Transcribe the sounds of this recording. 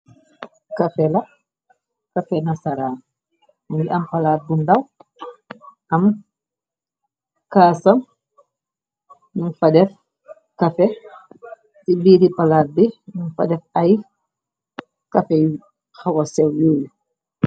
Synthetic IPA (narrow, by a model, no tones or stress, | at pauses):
kɐfɛlɐ | kɐfɛnasaɾaː | mɡiʔɐmpɐlaːt̚bundɐw | ʔɐm | kaːsɐm | nuŋfɐdɛf | kɐfɛ | tibiːdipalaːt̚dinuŋfɐ̰dɛfɐj | kɐfɛ | xawɐsɛwjoːju